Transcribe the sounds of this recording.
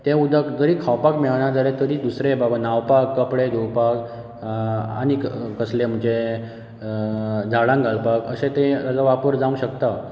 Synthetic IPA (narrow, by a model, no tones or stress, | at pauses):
t̪ẽud̪əkd͡zəɾikʰawpakmɛɭñad͡zalet̪əɾiːd̪usɾebabanawpakːəpɽed̪ʱuwpak | a̰ñikkəslem̤ət͡ɕe | d͡zʱaɽãŋɡalpakəsẽt̪ẽt̪at͡saʋapəɾd͡zãũɕəkt̪a